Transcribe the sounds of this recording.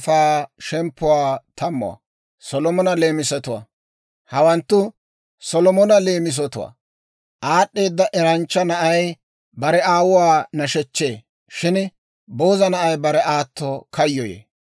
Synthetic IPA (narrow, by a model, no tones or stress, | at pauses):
faːʃɛmpːʊwaːt̪ʰɐmːʊ̰wɐ̰ | sɔlɔmɔnɐle̞ːmɪsɛt̪ʊwa̰ː | hɐwɐnt̪ːʊ | sɔlɔmɔnɐle̞ːmɪs̬ɔt̪ʊwa̰ː | ʔaːɗːe̞ːd̪ːɐʔɛɾɐnt͡ʃːɐnɐʔɐj | bɐɾɛaːwʊwaːnɐʃɛt͡ʃːe̞ː | ʃɪn | bo̞ːzɐnɐʔɐjbɐɾɛʔaːt̪ːɔkɐjːɔjḛː